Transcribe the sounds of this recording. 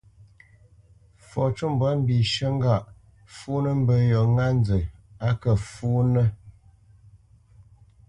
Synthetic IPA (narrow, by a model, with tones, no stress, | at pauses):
fɔ˨t͡ʃu˦m˨bə˨˦m̩˦bi˨ʃə˦ŋ˦ɡa˦˨ʔ | fuː˦nə˦m̩˦bə˨jɔ˨ŋa˦n˦d͡zə˨a˦kə˨fuː˦nə˦